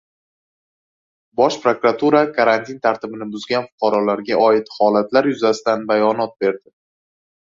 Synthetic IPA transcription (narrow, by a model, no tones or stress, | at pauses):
bɒʃpɾokɾat̪ʰuɾakʰaɾant̪ʰint̪ʰaɾt̪ʰɪbɪnɪbʊzɡʲanfʊ̥qʰɑɾɒlaɾɡʲaʔɒɪt̪hɒlat̪laɾjʊzasɪt̪anbajɒnɒt̪̚be̞ɾd̪ɪ